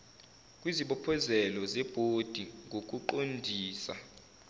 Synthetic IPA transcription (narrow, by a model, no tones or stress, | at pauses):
k̬ʼwiziɓɔpʰɔzɛlɔzɛb̥ʱod̥ʱiŋʱok̬ʼuǃondʱiːsa̰